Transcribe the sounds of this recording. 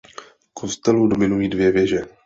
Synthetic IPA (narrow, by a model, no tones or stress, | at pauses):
kʰo̞st̪ɛludomɪnujiːdvjɛvjɛʒɛ